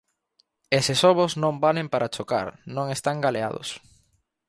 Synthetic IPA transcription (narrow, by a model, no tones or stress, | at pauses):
esɪsoβoznõmbalempaɾʔat͡ʃoka̰ɾnõŋest̪aŋɡalea̰ð̞ʊ̰s